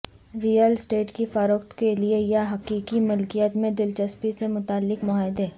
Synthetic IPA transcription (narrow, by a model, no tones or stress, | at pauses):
ɾijəlsʈeːʈkifəɾʊːkt̪keliejaɦɐqiːkimʊlkijət̪mẽd̪ɪlt͡ʃəspisemʊt̪aːlːɪkmʊaːɪd̪eː